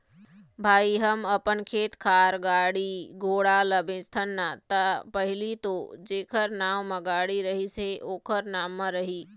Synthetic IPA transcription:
bʱaːiɦəmɐpənkʰeːt̪kʰaːɾɡaːɽiɡʱoːɽalɐbẽːst̪ʰənːat̪ɐpɐɦɪlit̪od͡ʑeːkʰəɾnaːʋmɐ̃ɡaːɽiɾɐɦiseʔoːkʰəɾnaːmːə̃ɾɐɦiː

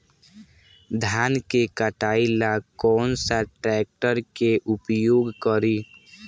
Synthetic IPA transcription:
d̪ʱaːnkekəʈaːilakɔːnsaʈɾɛːk̚ʈəɾkeʔʊpjoːɡkəɾi

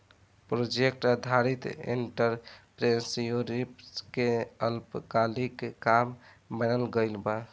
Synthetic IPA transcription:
pɾod͡ʒek̚ʈəd̪ʱaɾit̪ḭɳʈəɾpɾesjoɾipskeəlpkalikːam | bənəlɡəɪlba

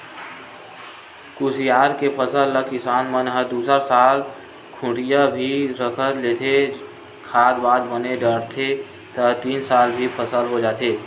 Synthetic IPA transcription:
kusijaːɾkepʰəsəlːəkɪsaːnmənɦəd̪uːsəɾsaːl | kʰʊ̃ʈijabʱiɾəkʰət̪leːt̪ʰe | kʰaːd̪baːd̪bəneɖəɽt̪ʰe | t̪ət̪iːnsaːlbʱipʰəsəlɦod͡ʒaːt̪ʰeː

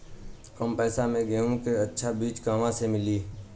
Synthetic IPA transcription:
əmpɛːsamẽɡeːũkeətːʃʰabiːt͡ʃkaːmãsemɪliː

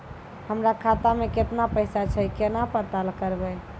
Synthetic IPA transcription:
həmɾakʰat̪ameket̪napəɪsat͡ʃʰɛkenapəɾt̪alkəɾbɛ

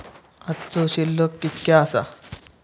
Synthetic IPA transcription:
att͡soɕilːokːit̪kʲjaːsa̰

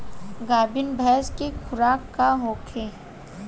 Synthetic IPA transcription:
ɡaːbɪnbʱɛːskekʰʊɾaːkːaɦoːkʰeː

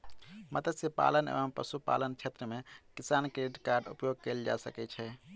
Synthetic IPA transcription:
mət̪ət̪sepa̰lənḛbəmpə̰supa̰lənt͡ʃʰet̪ɾəmekisankɾeiʈkaɾɖṵpjoɡ̚keld͡ʒa̰sə̰kɛt͡ʃʰɛ

